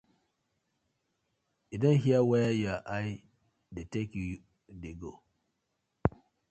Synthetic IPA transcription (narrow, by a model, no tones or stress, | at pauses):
idɔ̃nhiawɛajaʔaj | detekju | deɡo